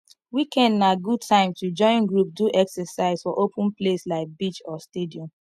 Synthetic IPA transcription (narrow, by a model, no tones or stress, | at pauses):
wikʰɛ̃nnaɡud̚tʰãɪ̃mtud͡ʒɔ̃ɪ̃nɡɹup̚duʔɛksɛsaɪz̥fɔʔopũnpleslaɪk̚bit͡ʃɔstediɔ̃m